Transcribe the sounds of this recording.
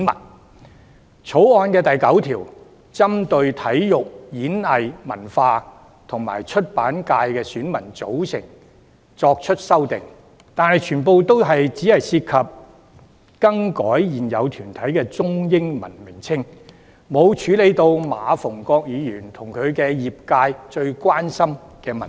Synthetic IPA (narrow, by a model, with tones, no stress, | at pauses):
nmɐ̰˨˩n | t͡sʰo˨˥wɔː˧nkɛː˧t̪ɐ˨jkɐ˨˥wt̪ʰiː˨˩w | t͡sɐ˥mt̪ɵ˧ɥt̪ʰɐ˨˥jjʊ˨k̚jiː˨˥nɐ˨˧jmɐ̰˨˩nfaː˧ | t̪ʰʊ˨˩ŋma̰ː˨˩jt͡ʃʰɵ˥t̚paː˨˥nkaː˧jkɛː˧syː˨˥nmɐ˨˩nt͡so˨˥wsɪ˨˩ŋ | t͡sɔː˧k̚t͡ʃʰɵ˥t̚sɐ˥wt̪ɪ˨˩ŋ | t̪aː˨nhɐ˨jt͡ʃʰyː˨˩npo˨wt̪o˥wɦɐ˨jt͡si˨˥hɐ˨jsiː˧t̚kʰɐ˨p̚ | kɐ˥ŋkɔː˨˥jjiː˨˩njɐ˨˧wt̪ʰyː˨˩nt̪ʰɐ˨˥jkɛː˧t͡sʊ˥ŋjɪ˥ŋmɐ̰˨˩nmɪ˨˩ŋt͡sʰɪ˥ŋ | mo˨˧wt͡ʃʰyː˨˥le˨˧jt̪o˧wmaː˨˧fʊ˨˩ŋkɔː˧k̚jiː˨˧jyː˨˩nt̪ʰʊ˨˩ŋkʰɵ˨˧ɥkɛ˧jiː˨p̚kaː˧jt͡ʃɵ˧ɥkwaː˥nsɐ˥mkɛː˧mɐ˨˩n